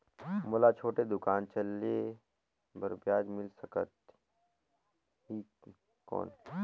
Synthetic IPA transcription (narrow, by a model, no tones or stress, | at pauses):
moːlat͡ʃʰoːʈed̪ʊkaːnt͡ʃɐle | bɐɾbjaːd͡ʒmɪlsɐkət̪̚ | ɦi | kɔ̰ːn